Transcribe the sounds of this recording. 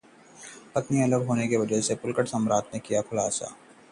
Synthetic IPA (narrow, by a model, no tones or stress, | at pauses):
pɐt̪niɐləɡɦoːnekeʋɐd͡ʒəɦsepʊlkəʈsɐmɾaːt̪nekijakʰʊlaːsa̰ː